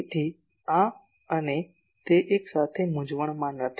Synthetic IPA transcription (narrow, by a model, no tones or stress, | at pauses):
t̪ʰi | ã | əne | t̪eʔeksat̪ʰemʊd͡ʒʋəɳ̃mãnət̪ʰ